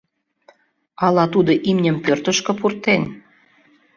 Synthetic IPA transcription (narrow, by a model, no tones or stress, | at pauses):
ɑlɑt̪ud̪oʔimnʲə̆mpørt̪əʃkɤ̆purt̪en